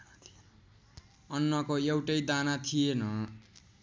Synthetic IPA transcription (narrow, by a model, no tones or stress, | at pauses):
ʌnːʌkoewʈʌjd̪anat̪ʰijenʌ